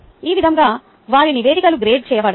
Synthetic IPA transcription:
iːʋid̪ʱɐŋɡaː | ʋaːɭiniʋeːd̪ikɐluɡɾeːɖ̚t͡ʃɛːjɐʋaːɽ

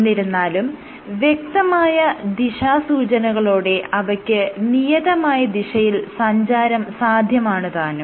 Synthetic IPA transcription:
nːiɾunːaːlum | ʋje̞k̚t̪ɐmaːjɐd̪iʂaːsuːt͡ɕɐnɐɣɐɭoːɽe̞ʔɐʋɐkʲːɨnijɐðɐmaːjɐd̪iʂɐjilsɐɲd͡ʑaːɾɐmsaːd̪ʱjɐmaːɳɨðaːnu

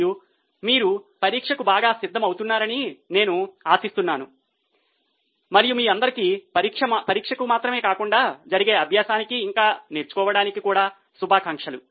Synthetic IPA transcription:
u | miːɾupɐɾiːkʂɐkubaːɡaːsid̪ʱːɐmɐwt̪unːaːɾɐnine̞ːnuaːsist̪unːaːnu | mɐɾijumiːɐnd̪ɐɾikipɐɾikʂɐpɐɾiːkʂɐkumaːt̪ɾɐme̞ːkaːkuɳɖaːd͡ʒɐɾiɡe̞ːɐbʱjaːsaːnikiːŋkaːneɾt͡ʃu̥kɔːʋɐɽaːnikikuːɽaː | subʱaːkɐŋkʂɐlṵ

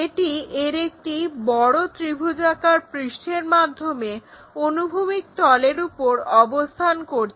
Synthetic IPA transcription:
eʈieɾek̚ʈibɔɽot̪ɾibʱud͡ʑakaɾpɾiʃʈʰeɾmad̪ʱːome | onubʱumik̚t̪ɔleɾupoɾɔbost̪ʰankoɾt͡ɕʰ

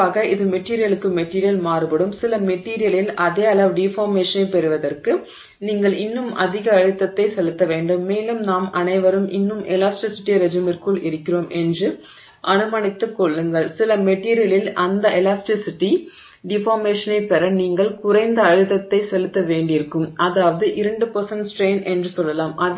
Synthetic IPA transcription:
aːɣɐɪðɯmɛʈːiːɾɪjɐlɯkːɯmɛʈːiːɾɪjɐlmaːɾɯpɐɽɯmsɪlɐmɛʈːiːɾɪjɐlɪlɐðeːɐlɐʋɖɪfaːɾmeːʂɐnɐɪpɛɾɯʋɐðɐrkɯ | niːŋɡɐɭɪnːɯmɐ̰ðɪɣɐːɻɯt̪ːɐt̪ːɐɪsɛlɯt̪ːɐʋeːɳɖɯmːeːlɯmnaːmɐnɐɪʋɐɾɯmʔɪnːɯmʔɛlaːsʈɪsɪʈːiɾɛd͡ʒɪmɪrkɯɭʔɪɾɯkʲːɪroːmʔɛndrɯ | ʔɐnɯmɐɳɪt̪ːɯkːɔɭːɯŋɡɐɭsɪlɐmɛʈːiːɾɪjɐlɪlɐnd̪ɐʔɛlaːsʈɪsɪʈːi | ɖɪfaːɾmeːʂɐnɐɪpɛɾɐniːŋɡɐɭkʊrɐɪnd̪ɐːɻɯt̪ːɐt̪ːɐɪsɛlɯt̪ːɐʋeːɳɖɪɪɾɯkːɯmʔɐðaːʋɐðɯʔɪɾɐɳɖɯpɐɾsɐnsʈɾeːnʔɛndrɯsɔlːɐlaːmʔɐ

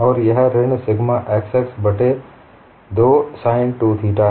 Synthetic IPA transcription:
ɔːɾjɐɦɾɪɽ̃sɪɡʱmãʔeːkseksbɐʈe | d̪oːsaːɪnʈuːt̪ʰiʈaː

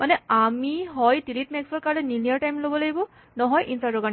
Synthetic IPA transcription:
manɛamiɦɔjdilitmɛksɔɹkaɹlɛninijaɹtajmlobɔlaɡibɔ | nɔɦɔjʔinsadoɡan

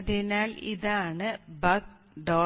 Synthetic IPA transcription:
ðinaːlḭðaːɳɨbɐk | ɖoː

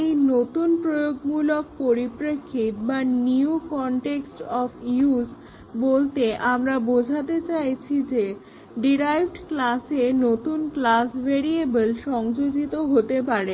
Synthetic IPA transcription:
ejnot̪unpɾojoɡmulok̚poɾipɾekʰːit̪̚baniukɔɳʈeksʈɔfʰius | bolt̪eʔamɾabod͡ʑʱat̪et͡ɕajt͡ɕʰid͡ʑe | ɖiɾajbɖklasenot̪unklasbʱeɾiebəlʃɔŋd͡ʑoɡit̪oɦot̪epaɾe

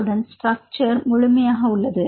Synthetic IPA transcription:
ɽɐnsʈɾɐk̚t͡ʃɐɾmʊɻʊmɐjaːɣɐʊɭːɐðɯ

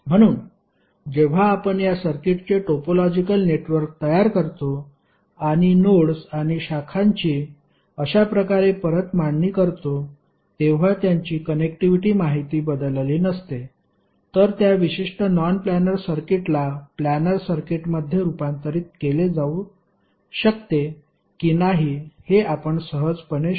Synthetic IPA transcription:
m̤əɽ̃uːn | d͡ʑeʋ̤aːpəɳjasəɾkeʈt͡ɕeʈopolɔd͡ʑikəlneʈʋəɾk̚t̪əjaɾkəɾt̪o | aɽ̃inoɽsaɽ̃iɕakʰaɲt͡ɕiː | əɕapɾəkaɾepəɾət̪maɳːiːkəɾt̪o | t̪eʋ̤at̪jaɲt͡ɕiːkənekʈiʋiʈiːmaɦit̪iːbəd̪lliːnəst̪e | t̪əɾt̪jaʋiɕiʂʈənɔnplænəɾsəɾkeʈlaplænəɾsəɾkeʈməd̪ʱjeɾupãnt̪əɾiːt̪̚keled͡zau | ɕək̚t̪e | kinaɦiheʔapəɳsəɦəd͡zpəɳe

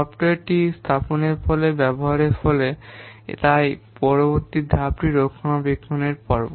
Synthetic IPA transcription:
ɔpʈaɾʈist̪ʰaponeɾfɔlebɛboɦaɾeɾfɔlet̪ajpɔɾoboɾt̪id̪ʱapɾiɾokʰːonabekʰːoneɾpɔɾbo

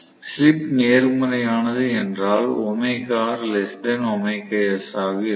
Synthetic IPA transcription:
slɪpneːɾɯmɯɾɐjaːnɐðɯɛndraːlɔmɐɪkːaːɾlɛsʈɐnɔmɐɪkːɐɛsaːʋi

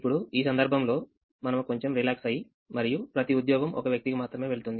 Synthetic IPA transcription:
pːuɽuiːs̬ɐnd̪ɐɾbʱɐmlo̞ː | mɐnɐmuko̞ɲt͡ʃe̞mɾilaːksɐji | mɐɾijupɾɐt̪iud̪jɔːɡɐmɔ̰kɐʋjɐk̚t̪ikimaːt̪ɾɐme̞ːʋe̞ɭut̪und̪i

